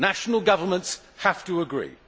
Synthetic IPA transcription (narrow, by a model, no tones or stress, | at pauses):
naʃənəlˠɡʌvə˞mə̃nts | haftəəɡɹḭː